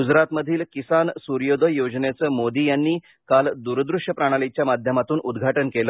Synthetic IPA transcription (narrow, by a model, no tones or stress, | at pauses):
ɡud͡zɾat̪məd̪ʱiːlkisansuɾjod̪əjod͡znjat͡səːmod̪iːjanːiː | kald̪uɾd̪ɾuʂjəpɾaɽ̃alit͡ɕjamad̪ʱjəmat̪uːnʔud̪ɡʱaʈənkelə